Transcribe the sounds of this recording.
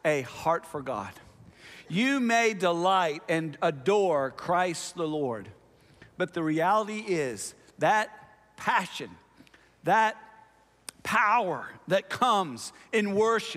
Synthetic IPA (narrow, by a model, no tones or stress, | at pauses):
ɨhɑɹtfə˞ɡɑ̰d̥jɨmeɪdəlaɪɾɨ̃nədɔɹkʰɹ̥aɪst̪̚ðəlɔɹd̚ | b̥ʌt̪̚ðɨɹiælˠəɾiɪz̥ | ðɨt̚ | pʰæʃɨ̃n | ðət̚ | pʰaʊə˞ðɨt̚kʰʌ̃mzɨ̃nwɜ˞ʃɨ